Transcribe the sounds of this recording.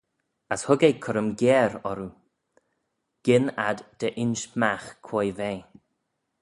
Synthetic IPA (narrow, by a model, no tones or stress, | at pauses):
əshʊɡejkʰʊɾəmɡɛːɾɔɾu | ɡ̥ɪnad̪d̪̥əʔɪnʃmaxkʰwojve